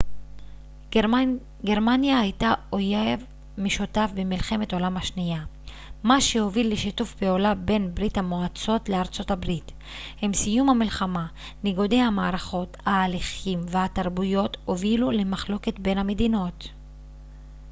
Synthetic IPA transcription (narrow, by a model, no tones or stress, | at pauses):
ɡe̞ʁmanjahajtaojev | meʃutafbemilχe̞me̞to̞lamhaʃnija | maʃeho̞vilːeʃitufbeolabe̞nbʁithamoat͡so̞tleaʁt͡so̞tabʁit | hemsijumhamilχama | niɡodejhamaːʁaχo̞thaːliχimvehataʁbujo̞to̞vilulemaχlo̞ke̞tbe̞nhame̞dino̞t